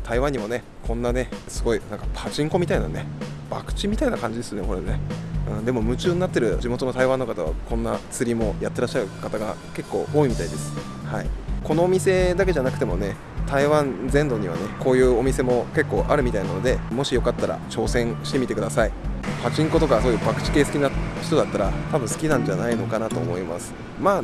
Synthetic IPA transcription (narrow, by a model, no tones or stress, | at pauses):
t̪ʰaiβãɲ̟ːimo̞ne̞ | kʰõ̞nːane̞sɨɡo̞inãŋkḁpʰat͡ɕĩŋko̞mʲit̪aina̰ne̞ | b̥a̰kɯ̟̥t͡ɕimʲit̪ainakãɲ̟d͡ʑid̪e̞sɨjoneko̞ɾene̞ɯ̟̃ɴd̪e̞mo̞mɯ̟t͡ɕɨːɲʲnat̪ːe̞ɾɯ̟d͡ʑimo̞t̪o̞no̞t̪aiβãnːokat̪aβa̰kõ̞nːat͡sɨɾʲimo̞jat̪ːeɾaɕːaɯ̟kat̪aɡa̰ke̞kːo̞ːʔo̞ːimʲit̪aid̪e̞sɨ̥ | haiko̞no̞ːmʲise̞d̪akeʑanakɯ̟t̪e̞mo̞ne̞ | t̪aiβãnd͡zẽ̞nd̪o̞ɲ̟iβ̞a̰ne̞ko̞ːjɯ̟ːo̞mʲise̞mo̞ke̞kːo̞ːʔaɾɯ̟mʲit̪ainano̞d̪e̞mo̞ɕijo̞kat̪ːaɾa̰t͡ɕo̞ːsẽ̞ɰ̃ɕi̥t̪e̞mʲit̪e̞kɯ̟d̪asaipat͡ɕĩŋko̞t̪o̞kaso̞ːjɯ̟ːbakɯ̟̥t͡ɕi̥keːsɨ̥kʲinaç̥t̪o̞d̪at̪ːaɾat̪abɯ̟̃sɨ̥kʲinãɲ̟d͡ʑanaino̞kanat̪o̞̰ːmo̞ima̰sɨ̥ | maː